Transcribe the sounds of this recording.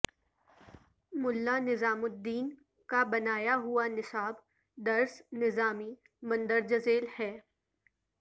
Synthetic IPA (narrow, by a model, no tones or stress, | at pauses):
mʊlːanɪzaːmʊd̪ːiːn | kabɐnaːjaɦuanɪsaːb | d̪ɐɾsnɪzaːmi | mɐ̃nd̪əɾd͡ʒɐzeːlhɛː